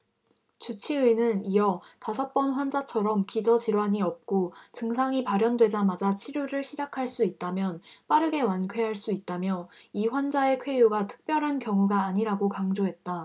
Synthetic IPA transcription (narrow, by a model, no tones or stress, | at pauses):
t͡ɕut͡ɕʰiɯnɯnijʌtasʰʌp͈ʌnɸwand͡ʑat͡ɕʰʌɾʌmkid͡ʑʌt͡ɕiɾwaɲiʌp̚k͈ot͡ɕɯŋsʰaŋipaɾjʌndwe̞d͡ʑamad͡ʑat͡ɕʰiɾjuɾɯɭɕʰid͡ʑakʰaɭs͈uit̚t͈amjʌnp͈aɾɯɡe̞wankʰwe̞ɦaɭs͈uit̚t͈amjʌiɸwand͡ʑae̞kʰwe̞juɡatʰɯ̥k̚p͈jʌɾɦankjʌŋuɡaːɲiɾaɡokaŋd͡ʑoɦe̞t̚t͈a